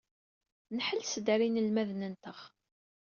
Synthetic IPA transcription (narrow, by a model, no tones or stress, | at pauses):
nħəlsəd̪ɾinəlmæðnənt̪əχ